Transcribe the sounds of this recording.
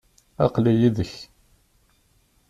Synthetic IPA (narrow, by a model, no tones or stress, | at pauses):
ɑ̰qlijiðəç